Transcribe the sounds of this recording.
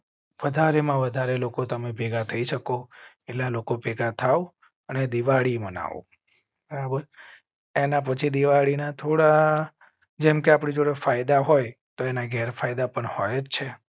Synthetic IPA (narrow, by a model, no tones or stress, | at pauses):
ʋəd̪ʱaɾemãʋəd̪ʱaɾelokot̪əmebʱeɡat̪ʰəiʃəko | elalokopɛɡat̪ʰaʋu | əned̪iʋaɽiməna̰ʋṵ | bəɾabəɾ | enapət͡ʃʰid̪iʋaɽinat̪ʰoɽa | d͡ʒɛmkeapɽid͡ʒoɽefajd̪aɦojt̪oenaɡʱɛɾfʰajd̪apəɳhojt͡ʃʰe